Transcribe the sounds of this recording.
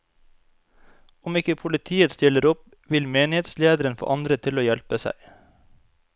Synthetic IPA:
ʊmɪkəpʰʊlɪt̪ʰiːət̪st̪ɪləɾɔp | ʋɪlmeːnɪheːt̪sleːd̪əɾənfɔ̰ʔɑnd̪ɾət̪ʰɪloːjɛlpəsæ̰ɪ

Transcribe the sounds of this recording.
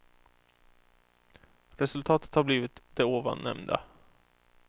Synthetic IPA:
ɾɛsɵlt̪ʰɑːt̪ət̪haɾbliːvɪt̪d̪̥ɛoːva̰nːɛ̰mnd̪a̰

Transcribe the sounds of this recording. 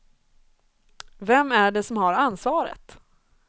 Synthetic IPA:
vɛmːæɖɛsɔmhaɾansvɑːɾə̰t̪

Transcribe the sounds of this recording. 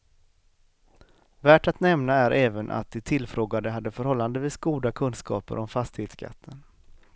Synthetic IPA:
væːʈat̪nɛmnaæɾʔɛːvənʔa̰t̪̚d̪ɛt̪ʰɪlfɾoːɡad̪əɦad̪ːəfœɾhɔlːand̪əviːsɡuːd̪akʰɵnskɑ̰ːpə̰ɾɔmfast̪ɪheːt̪skʰa̰t̪ʰːən

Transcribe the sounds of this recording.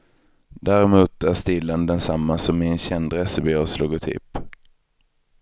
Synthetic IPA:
d̪æɾɛmuːt̪æɾst̪ɪlːənd̪ɛnsamːasɔmːɪɛnɕɛnd̪ɾɛsəbɪːɔslʊɡʊt̪ʰɪ̰p

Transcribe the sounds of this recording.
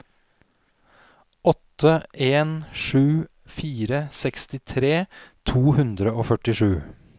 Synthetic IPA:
ɔt̪əʔeːnʂʉː | fiːɾəsɛkst̪ɪt̪ʰɾeːt̪ʰuːhʉnd̪ɾəoːfœʈɪʂʉː

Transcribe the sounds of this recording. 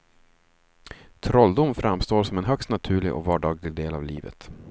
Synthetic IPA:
t̪ʰɾɔld̪ʊmfɾamst̪oːʂɔmɛnɦœkst̪nat̪ʰʉ̟ːɭɪɡʔɔ̰kvɑːɖɑːɡlɪɡ̚d̪eːlavliːvə̰t̪

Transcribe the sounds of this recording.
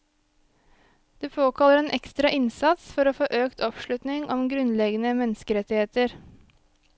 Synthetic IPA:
d̪̥ʉːpʰoːkʰɑləɾeːnʔɛkst̪ɾɑʔɪnsɑt̪sfɔɾoːfoːʔøːkt̪ʰɔpʃɭʉt̪nɪŋʔɔmɡɾʉnlɛɡənəmɛnəskəɾɛt̪ɪheːt̪əɾ

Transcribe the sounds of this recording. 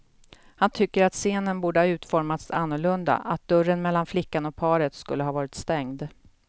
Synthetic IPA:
hant̪ʰʏkːəɾat̪seːnənbuːɖəhɑːʉ̟ːt̪fɔɾmat̪sanːʊɭɵnd̪a̰ʔat̪̚d̪ɵɾənmɛlːanflɪkːanɔk̚pʰɑːɾət̪skɵ̰lːəɦɑːvɑːɾɪt̪st̪ɛŋd̪

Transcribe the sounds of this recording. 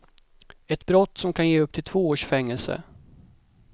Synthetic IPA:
ɛt̪bɾɔt̪ːsɔmkʰanjeːɵpt̪ʰɪlt̪ʰv̥oːoːʂfɛŋːɛlsə̰

